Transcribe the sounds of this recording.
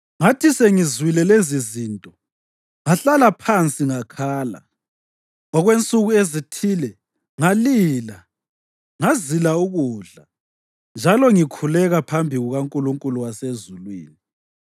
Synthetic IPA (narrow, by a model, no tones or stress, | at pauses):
ŋatʰiseŋizwilɛlezizintʼɔ | ŋaɬalapʰant͡sʼiŋakʰaːla̰ | ɔɣwent͡sʼuɣuezitʰilɛ | ŋaliːla | ŋazilauɣuːɮa | nd͡ʒʱalɔŋikʰulɛɣapʰambʱiɣuɣaŋkʼuluŋkʼuluwasezulwḭːni